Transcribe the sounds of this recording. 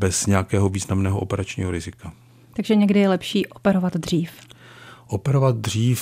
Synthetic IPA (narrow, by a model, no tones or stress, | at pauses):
bɛsɲɛjakɛːɦoviːznamnɛːɦoʔopɛɾat͡ʃɲḭːɦoɾɪzɪka | t̪aɡʒɛɲɛɡdɪjɛlɛpʃiːʔopɛɾovat̪dr̝iːfʔopɛɾovat̪̚dr̝iːf